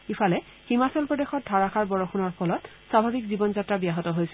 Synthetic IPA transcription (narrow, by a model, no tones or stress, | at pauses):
ifʰalɛ | himasɔlpɹɔdexɔt̚dʱaɹaxaɹbɔɹɔxʰunɔɹpʰɔlɔt | sabʱabikzibɔnzatɹabijaɦɔtɔɦojsɛ